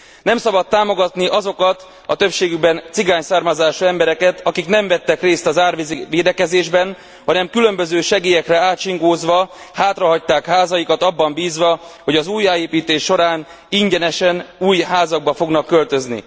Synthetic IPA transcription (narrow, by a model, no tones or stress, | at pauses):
nɛmsɒbɒt̪ːaːmo̞ɡɒt̪niʔɒzo̞kɒt̪ | ɒt̪ø̞pʃeːɡybɛnt̪siɡaːɲsaːrmɒzaːʃuɛmbɛɾɛkɛt̪ɒkiknɛɱvɛt̪ːɛkreːst̪ɒzaːrʋiziʋeːd̪ɛkɛzeːʒbɛn | hɒnɛmkylø̞mbøzøːʃɛɡeːjɛkrɛaːt̪ʃiŋɡoːzʋɒ | haːt̪rɒɦɒc̚t̪aːkhaːzɒjikɒt̪ɒbːɒmbiːzʋɒho̞ɟɒzuːjaːjeːpiːt̪eːʃːo̞ɾaːn | iɲɟɛnɛʃɛnuːjɦaːzɒɡ̚bɒfo̞ɡnɒkːølt̪ø̞znḭ